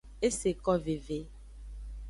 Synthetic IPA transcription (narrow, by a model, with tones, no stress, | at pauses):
e˦se˨kɔ˦ve˨ve˨˦